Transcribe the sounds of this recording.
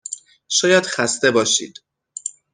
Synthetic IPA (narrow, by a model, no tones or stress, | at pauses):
ʃɒːjæd̪̥xæst̪e̞bɒːʃḭːd̪̥